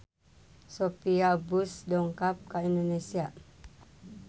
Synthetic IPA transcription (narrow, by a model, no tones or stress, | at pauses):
sopiabusdɔŋkap̚kaindonesia